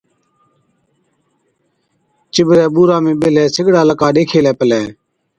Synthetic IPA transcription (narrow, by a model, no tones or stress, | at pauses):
t͡ʃɪbɾɛːɓuːɾaːmẽːɓɪlɛːsɪɡɽaːləkaːɗeːkʰeːlɛːpəlɛː